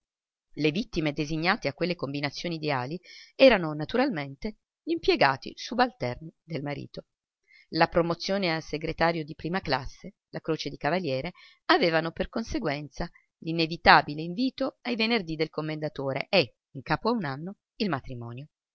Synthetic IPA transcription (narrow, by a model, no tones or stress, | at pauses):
levit̪ːimed̪eziɲːaːt̪eakːwelːekombinat̪sːjoːniːd̪eaːliɛːɾanonat̪uɾalment̪e | limpjeɡaːt̪ḭsubalt̪ɛrnid̪elmaɾḭːt̪o | lapɾomot̪sːjoːnealseɡɾet̪aːɾjod̪ipɾiːmaklasːe | lakɾoːt͡ʃed̪ikavaljɛːɾe | aveːvanoperkonseɡwɛnt̪sa | linevit̪aːbileiɱviːt̪oajvenerd̪id̪elkomːend̪at̪oːɾḛʔe | iŋkaːpoaunanːo | ilmat̪ɾimɔ̰ːnjo